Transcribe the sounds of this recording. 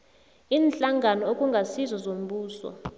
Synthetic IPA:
iːnɬʼaŋʱanɔokʼuŋɡʱasizɔzom̩ɓuːsɔ̰

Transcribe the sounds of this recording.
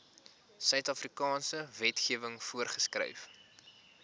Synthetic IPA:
sœɥtɐfrikɑːnsəvɛtχiəvəŋfuərχəskrœ̰jf

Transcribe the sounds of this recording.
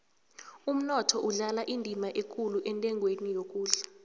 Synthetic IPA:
um̩nɔtʰɔʔuɮalaʔindʱimaʔekʼuluʔɛntʼɛŋʱwenijok̬ʼuːɮa

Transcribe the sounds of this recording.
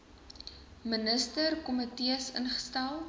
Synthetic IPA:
mənəstərkɔmətiəsə̰nχə̥stælˠ

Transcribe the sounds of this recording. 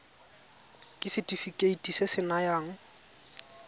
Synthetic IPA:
kʼɪsɪtʼifikʼeitʼisesɪnajaːŋ̩

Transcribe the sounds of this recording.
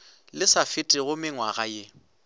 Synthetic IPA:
lɪsafɪtʼɪɣʊmɪŋwaɣaje

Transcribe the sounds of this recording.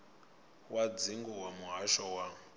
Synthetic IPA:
wad͡ziŋɡɔwamuɦaʃɔwa

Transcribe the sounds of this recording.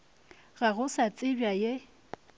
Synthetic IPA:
ɣaɣʊsat͡sʼɪbjaje

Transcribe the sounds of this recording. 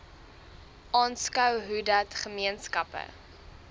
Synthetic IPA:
ʔɑːnskœwɦudɐtχəmiənskɐpə̰

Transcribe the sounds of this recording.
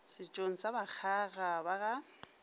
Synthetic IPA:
sɪt͡ʃʼoŋ̩sabak͡xʰaɣabaɣa

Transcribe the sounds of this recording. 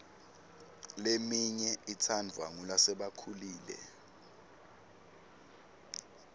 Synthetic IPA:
lemiɲɛit͡sʰandʱwaŋulasɛɓakʰuliːlɛ̰

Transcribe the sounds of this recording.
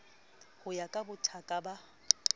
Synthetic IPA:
hʊjakʼabʊtʰakʼaba

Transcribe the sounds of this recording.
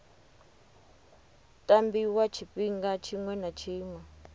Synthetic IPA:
tʼambiwat͡ʃʰipiŋɡat͡ʃʰiŋwɛnat͡ʃʰiːŋwɛ

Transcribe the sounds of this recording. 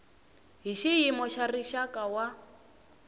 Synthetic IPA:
ɦiʃiɦimɔʃariʃakʼawa

